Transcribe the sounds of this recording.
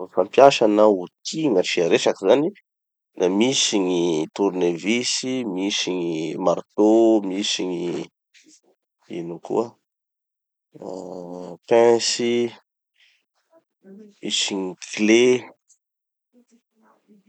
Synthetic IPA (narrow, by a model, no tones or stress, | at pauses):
fampjasanaut̪ʰiŋafiaɾeʃakizani | namisiɲit̪uɾnevisimisiɲimaɾt̪omisiɲi | ḭnukṵə | pɛ̃si | misiɲikʰle